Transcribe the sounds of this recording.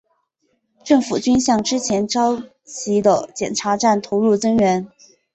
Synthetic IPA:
ʈ͡ʂɤ˥˩ŋfu˨˩t͡ɕy˥nɕjɑ˥˩ŋʈ͡ʂɻ̩˥t͡ɕʰjɛ˧˥nʈ͡ʂɑ˥ʊ | t͡ɕi˧˥d̪ə˧t͡ɕjɛ̰˨˩nʈ͡ʂʰa˧˥ʈ͡ʂa˥˩nt̪ʰo˧˥ʊɻu˥˩t͡sɤ˥ŋɻə˧˥n

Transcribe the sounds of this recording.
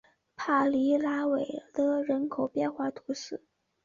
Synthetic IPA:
pʰa˥˩li˧˥la˥we˨˩ɪlə˥ɻə˧˥nkʰo˨˩ʊpjɛ˥˧nxwa˥˩t̪ʰu˧˥ʂɻ̩˥˩

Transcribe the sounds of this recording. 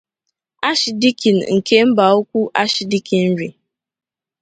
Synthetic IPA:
a˦ʃi˨di˦ki˨n̩˨ŋ̩˨ke˦m̩˦ba˨u˦kʷu˦ʔa˦ʃi˨di˦ki˨n̩˦ɾi˨

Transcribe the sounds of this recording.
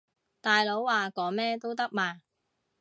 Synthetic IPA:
t̪aː˨jlo˨˥wwaː˨˩kɔː˨˥mɛː˥t̪o˥wt̪ɐ˥k̚maː˨˩

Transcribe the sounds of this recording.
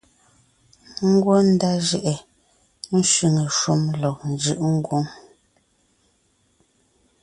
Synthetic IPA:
ŋ̩˦ɡwo˦n̩˦da˦ʒɛ˨ʔɛ˨ | n̩˦ʃwi˨ŋə˨ʃu˦mlɔ˨n˨d͡ʒʉ˦ʔŋ̩˦ɡwo˦ŋ

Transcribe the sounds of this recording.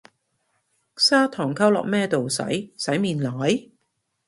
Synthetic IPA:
ksaː˥t̪ʰɔː˨˩ŋkʰɐ˥wlɔ̰ː˨˩k̚mɛː˥t̪o˨wsɐ̰˨˥jsɐ˨˥jmiː˨nlaː˨˥j

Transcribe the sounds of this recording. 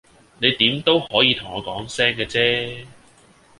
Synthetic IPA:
ne˨˧jt̪iː˨˥mt̪o˥whɔː˨˥jiː˨˧t̪ʰʊ˨˩ŋɔː˨˧kɔː˨˥ŋsɛː˥ŋkɛː˧t͡sɛː˥

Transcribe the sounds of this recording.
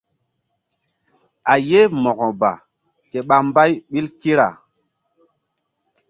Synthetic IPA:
a˨je˦mɔ˨kɔ˨ba̰˨ | ke˨ɓa˨mba˦jɓi˦lki˦ɾa̰˨

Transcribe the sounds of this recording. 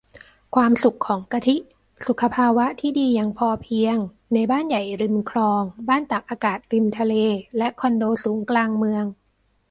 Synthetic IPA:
kʰwaː˧msu˨˩kʰːɔː˩˦ŋka˧t̪ʰi˦˥ | su˨˩kʰːa˧pʰaː˧wa˦˥t̪ʰiː˥˩diː˧jaː˨˩ŋpʰɔː˧pʰi˧əŋ | na˧jbaː˥˩nja˨˩jɾi˧mkʰlɔː˧ŋbaː˥˩nt̪a˨˩p̚ʔaː˧kaː˨˩t̪̚ɾi˧mt̪ʰa˧leː˧lɛ˦˥ʔkʰɔ˧ndoː˧suː˩˦ŋklaː˧ŋmɯ˧əŋ

